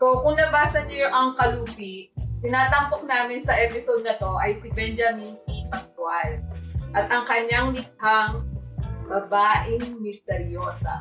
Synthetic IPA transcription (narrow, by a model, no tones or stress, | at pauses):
sokʊŋnɐbaːsɐɲɐjoʔɐŋkɐluːbit̪ɪnaːt̪ɐŋpok̚naːmɪnsɐʔɛpɪsod̪̚nɐt̪o̞ʔɐjsɪbɛnd͡ʒɐminkipɐst̪walʔɐt̪ʔɐŋkɐɲaŋlɪk̪̚haŋ | bɐbaːʔɪŋmɪst̪ɛɾjoːsɐ̰